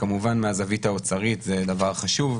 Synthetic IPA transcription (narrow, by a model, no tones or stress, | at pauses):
kamuvanmeazavitaot͡saʁit̪zed̪avaʁχaʃuv